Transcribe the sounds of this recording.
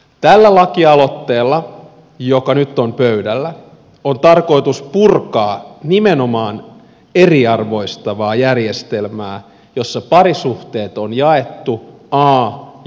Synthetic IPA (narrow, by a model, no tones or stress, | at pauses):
t̪ælːælɑkiɑlo̞t̪ːeːlːɑ | jokɑnyt̪ːompøydælːæ | ont̪ɑrko̞it̪uspurkɑːnimeno̞mɑːn | eriɑrʋo̞ist̪ɑʋɑːjærjest̪elmæː | jo̞sːɑpɑɾisuht̪e̞ːt̪onjɑet̪ːuɑː